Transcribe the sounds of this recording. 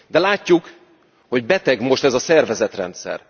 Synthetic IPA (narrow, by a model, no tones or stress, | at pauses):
d̪ɛlaːcːuk | ho̞ɟbɛt̪ɛɡmo̞ʃt̪ɛzɒsɛrvɛzɛt̪rɛ̰nt̪sɛ̰r